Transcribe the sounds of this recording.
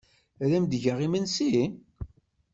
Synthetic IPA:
ɾæmd̪ʝəʁimənsi

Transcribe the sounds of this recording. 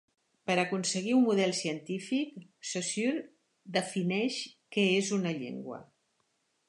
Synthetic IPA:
pəɾəkunsəɣiummuð̞ɛlˠsiənt̪ifiksosyɾ | d̪əfinɛʃkɛezunəʎḛŋɡwə̰

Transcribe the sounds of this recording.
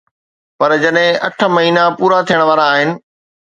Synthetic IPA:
pɐɾd͡ʑɐɗɦɪ̃ʔɐʈʰə̆mɐɦiːnapuːɾat̪ʰijəɽ̃ʋaːɾaːɦɪnɪ̆

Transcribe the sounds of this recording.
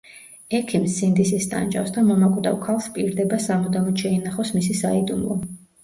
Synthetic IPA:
ɛkʰimsːind̪isist̪ʼa̰nt͡ʃʼa̰fsd̪amɔmakʼd̪a̰wkʰalˠspʼiɾd̪ɛbasamɔd̪amɔt̪ʃɛinaχɔsmisisaid̪umlˠɔ̰

